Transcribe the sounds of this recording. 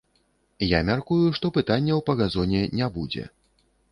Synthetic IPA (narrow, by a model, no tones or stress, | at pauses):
jamʲarkujuʂt̪ɔpɨt̪anʲːɛwpɐɣazɔnʲɛnʲabud͡zʲɛ̰